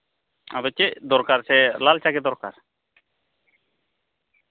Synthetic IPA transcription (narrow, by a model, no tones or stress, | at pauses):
abɔt͡ʃeʔd̪ɔɾkaɾsɛlalt͡ʃaɡɛd̪ɔɾkaɾ